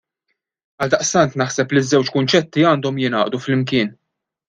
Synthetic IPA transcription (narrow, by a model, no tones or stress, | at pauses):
ɐld̪ɐʔst̪ɐnt̪nɐħsɛplizːɛwt͡ʃkʊnt͡ʃɛt̪ːiɐːnd̪ɔmjɪnɐːʔd̪uflɪmk̬ɪːn